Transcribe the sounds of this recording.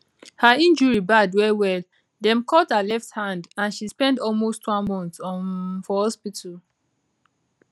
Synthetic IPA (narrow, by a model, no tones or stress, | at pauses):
haĩnd͡ʒɔɹibadwɛwɛl | dɛ̃mkʰɔthalɛfthãndãnʃispɛ̃ndɔlmostwãnmɔ̃ntɔnfɔhɔspitʰal